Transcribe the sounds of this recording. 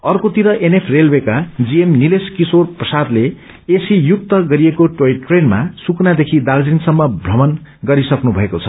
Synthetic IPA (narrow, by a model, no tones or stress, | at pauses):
ʌrkot̪iɾʌʔenepʰrelwekad͡ziemnileskisorprʌsad̪le | esijuk̚t̪ʌɡʌɾiekoʈoiʈʈrenmasuknad̪ekʰid̪ald͡zinsʌmːʌbʱrʌmʌnɡʌɾisʌknubʱʌekot͡sʰʌ̥